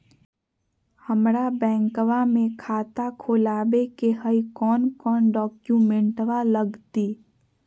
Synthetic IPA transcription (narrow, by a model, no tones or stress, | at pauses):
həmɾabɛ̃ːŋkʋamẽkʰaːt̪akʰoːlaːbekeɦəikɔːnkɔːnɖɔːkjumẽɳʈʋaləɡt̪iː